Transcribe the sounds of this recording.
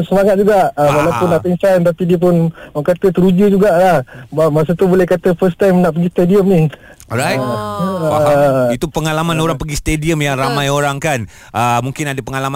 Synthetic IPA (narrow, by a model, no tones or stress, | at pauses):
səmaŋat̪̚d͡ʒuɡaʔəwalawpʊnːaʔpinsant̪apidiəp̬ʊnkat̪ət̪əɾud͡ʒud͡ʒuɡaʔlahbamas̬ət̪ubolɛhkat̪əfəst̪ajmnaʔpəɡist̪ediəmni | ɾaj | it̪upəŋalamãnoɾaŋpəɡist̪ediəmjaŋramãjoɾaŋkan | ʔəmũŋkɪnadapəŋalama